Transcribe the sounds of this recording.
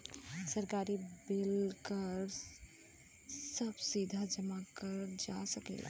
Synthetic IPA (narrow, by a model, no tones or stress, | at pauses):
səɾkaɾibelkəɾ | səbsid̪ʱad͡ʒəmakəɾd͡ʒasəkɛ̰la̰